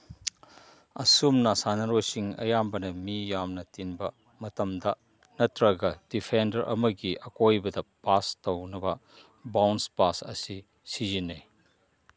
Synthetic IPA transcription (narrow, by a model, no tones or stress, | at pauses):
ɐsumnɐsanɐɾojsiŋɐ̰jambɐnɐmijamnɐtinbɐ | mɐtɐmdɐ | nɐtɾɐɡɐd̥ipʰendɐɾʔɐ̰mɐɡiʔɐkojbɐdɐpastɐwnɐbɐ | bawnspasɐ̰si | sizine